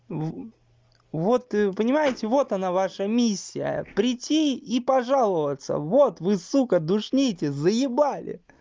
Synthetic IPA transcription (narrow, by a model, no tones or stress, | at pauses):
vo̞t̪pənʲɪmajɪtʲɪvo̞t̪ɐnavaʂəmʲisʲːɪjə̰pɾʲɪtʲʰːiipɐʐalˠəvət̪sə̰vot̪vɨsukəd̪ʊʂnʲejtʲɪzəjɪbalʲɪ̰